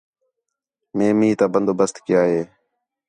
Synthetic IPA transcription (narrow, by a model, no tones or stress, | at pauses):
mẽːmĩːt̪aːbənd̪oːbəst̪kɪjaːɦeː